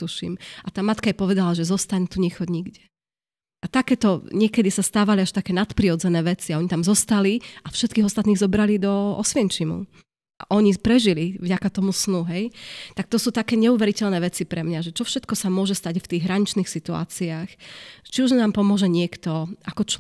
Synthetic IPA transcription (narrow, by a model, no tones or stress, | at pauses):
t̪uʃḭmʔat̪aːmat̪kaɛpɔʋɛd̪alaʒɛzɔst̪aɲt̪uɲɛxɔɟɲiɡɟɛ | ʔat̪akɛːt̪ɔɲɪɛkɛd̪isast̪aːʋaliaʃt̪akɛːnat̪pɾiɔd͡zɛnɛːʋɛt͡siaɔɲit̪amzɔst̪aliafʃɛt̪kiɦɔst̪at̪niːɣzɔbɾalid̪ɔɔ̰sʋiɛnt͡ʃimṵ | ʔa̰ʔɔɲipɾɛʒilivɟakat̪ɔmusnuɦɛjt̪ak̚t̪ɔsuːt̪akɛːɲɛuʋɛɾicɛʎnɛːʋɛt͡sipɾɛmɲaʒɛt͡ʃɔfʃɛt̪̚kɔsamʊɔʒɛst̪aɟft̪iːɣɦɾaɲit͡ʃniːxsit̪ua̰ːt͡siaːxt͡ʃiuʒnaːmpɔmʊɔʒɛɲɪɛkt̪ɔakɔt͡ʃ